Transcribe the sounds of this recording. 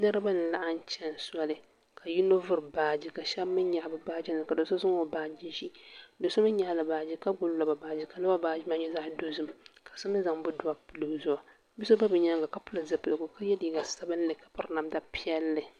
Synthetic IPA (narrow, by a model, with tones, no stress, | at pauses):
nɨ˦ɾɨ˦ba˦nɨ˨la˦ʔa˦n˦t͡ʃɛ˦n˨swa˦lɨ˨ | ka˨ji˦no˦vʊ˦ɾbaː˦d͡ʒi˨ka˨ʃɛ˦bmːɨ˦ɲɲa˨ʔbɨ˨ba˦d͡ʒi˦nɨ˨ka˨do˨so˦sɨ˦ŋo˨baː˨d͡ʒi˦ʃi˦do˨so˦mɨ˦ɲɲa˨la˨baː˨d͡ʒi˦ka˦ɡʊ˦lla˦ba˨baː˨d͡ʒi˦ka˨la˦a˦baː˨d͡ʒi˦ma˦ɲɛ˦za˦ʔdo˦zɨ˦mka˨so˦mɨ˦nza˨ŋbʊ˦dʊ˨˦a˦pɨ˨lo˨zʊ˨a˨ | bi˦so˦ba˦bɨ˨ɲa˦ŋɡa˨ka˨pʊ˦lɨ˨zɨ˨pɨ˨lɨ˨ɡʊ˨ka˦jɛ˦li˨ɡa˨sa˦bɨ˦n˦lɨ˨ka˨pʊ˦ɾna˨mda˦pi˦ɛ˦lːɨ˨